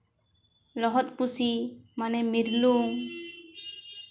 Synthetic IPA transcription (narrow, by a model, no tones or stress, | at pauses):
lɔɦɔt̪̚pusimanɛmiɾluŋ